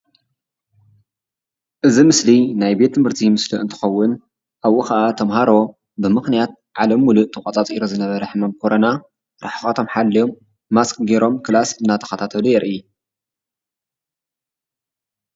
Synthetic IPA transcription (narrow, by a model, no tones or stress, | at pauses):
ʔɨzimɨslinajbe̞t̪ːɨmɨɾt̪ʰimɨsliʔɨnt̪ʰɨ̥xɐwːʊn | ʔaβʔuxɐʔat̪ʰɐmɦaɾo̞ | bɨmɨxnijat̪̚ | ʕalɐmːuluʔt̪ʰɨkʷʼat͡sʼat͡sʼiɾozɨnɐβɐɾɐħɨmamkʰo̞ɾona | ɾɨħɨ̥xɐt̪ʰo̞mħalːijo̞mː | ask̚ɡeɾo̞mkʰɨlasɨnːat̪ʰɐ̥xɐt̪ʰat̪ʰɐlujɛɾʔiu